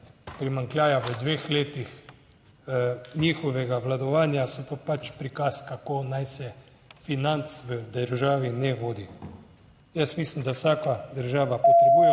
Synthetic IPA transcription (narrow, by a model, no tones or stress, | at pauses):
pɾimaŋklʲjaːjaʋəd̪ʋeːxleːt̪ix | nʲiːxɔʋɛɡaʋlad̪ɔʋaːnjasɔt̪opat͡ʃpɾikaskakoːnajsɛ | finant̪sʋəd̪əɾʒaːʋinɛʋoːd̪i | jəsmislimd̪awsaːkad̪əɾʒaːʋapɔt̪ɾɛbujɛ